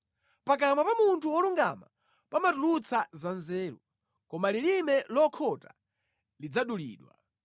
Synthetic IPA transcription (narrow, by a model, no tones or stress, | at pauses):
pak̬amwapamuntʰuwɔluŋɡa̰ma̰ | pamatulut͡sʰazanzɛːɾṵ | kɔmalilimɛlɔkʰɔta | lid͡zaɗulḭːɗwa̰